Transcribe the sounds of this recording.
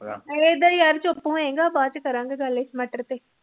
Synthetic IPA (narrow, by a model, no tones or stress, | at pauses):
ed̪ɐjɐɾt͡ʃʊpːũẽːŋɡaːbaːt͡ʃkɐɾãːŋɡeɡɐlːesmɐʈəɾt̪eː